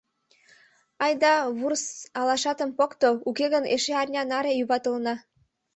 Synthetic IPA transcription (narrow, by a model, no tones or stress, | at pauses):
ɑjd̪ɑβursɑlɑʃɑt̪ə̆mpokt̪oukeɣənḛʃeɑrʲnʲɑnɑɾejuβɑt̪əlnɑ